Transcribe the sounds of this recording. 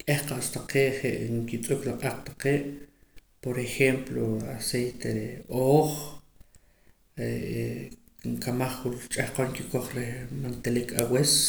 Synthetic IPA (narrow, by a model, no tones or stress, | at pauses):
kʼehqaʔst̪aqeːʔχeʔŋkit͡sʼuklaqʼaqʼt̪ḁqeːʔ | poɾexemploasejt̪eɾeoːχ | e | ŋkamaχχunt͡ʃʼahqoŋkikoχɾehmant̪elikʰawes